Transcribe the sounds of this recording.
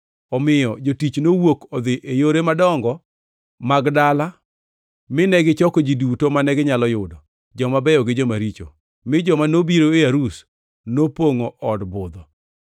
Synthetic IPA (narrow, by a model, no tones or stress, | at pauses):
ɔmɪjɔd͡ʒotit͡ʃnowokɔd̪ɪʔejoɾemadɔŋɡɔ | maɡdala | mɪnɛɡɪt͡ʃɔkod͡ʒidutomanɛɡɪɲalɔjʊdɔ | d͡ʒɔmabɛjɔɡɪd͡ʒɔmaɾit͡ʃo̰ | mɪd͡ʒɔmanobiɾoejaɾus | nopoŋoʔɔdbʊd̪ɔ